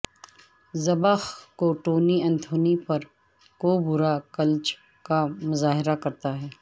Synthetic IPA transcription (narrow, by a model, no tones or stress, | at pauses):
zɐbəxkoʈoːniɐ̃nt̪ʰoːnipɐɾ | koːbʊɾakɐlt͡ʃ | kamʊzaːɦɪɾakɐɾt̪aɦɛː